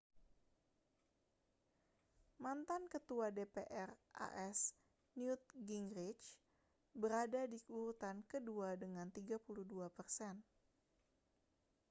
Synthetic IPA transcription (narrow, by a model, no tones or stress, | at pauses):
mant̪ankət̪uadepeʔɛrʔa̰ʔɛs | njut̪̚ɡiŋɾit͡ʃ | bəɾadadikuɾut̪ankəduadəŋant̪iɡapuluduapərsɛn